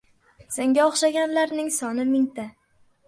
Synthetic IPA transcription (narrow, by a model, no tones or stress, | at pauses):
seŋɡʲaɒχʃaɡʲanlaɾnɪŋsɒnɪmɪŋt̪ʰa